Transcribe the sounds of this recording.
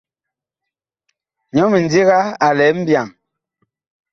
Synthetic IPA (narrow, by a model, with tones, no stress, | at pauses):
ɲɔ˦mi˨n˨di˦ɣa˦a˨lɛ˨˦m̩˦bja˨ŋ